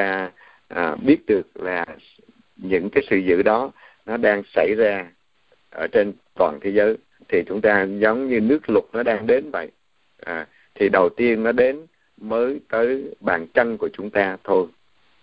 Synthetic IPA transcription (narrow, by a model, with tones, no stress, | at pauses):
aː˧ | ʔːɓi˦˥ət̚ɗɨ˨˩ək̚laː˨˩ | ɲɨ̰˧˥ŋkaː˨˦jsɨ̰˧˨zɨ̰˧˨ɗɔ˨˦ | nɔ˨˦ɗaː˧ŋsa˧˩jzaː˧ | ʔəː˧˩t͡ɕe˧nt̪wa̰ː˨˩nt̪ʰe˨˦zəː˨˦j | t̪ʰi˨˩t͡ɕʊ˨˦ŋ͡mt̪aː˧zə˨˦wŋ͡mɲɨ˧nɨ˦˥ək̚lʊ˨˩t̚nɔ˨˦ɗaː˧ŋɗe˨˦nvə̰˧˨j | ʔ | t̪ʰi˨˩ɗə˨˩wt̪i˧ənːɔ˨˦ɗe˨˦n | məː˨˦jt̪əː˨˦jɓaː˨˩nt͡ɕə˧nku˧˩ət͡ɕʊ˨˦ŋ͡mt̪aː˧t̪ʰo˧j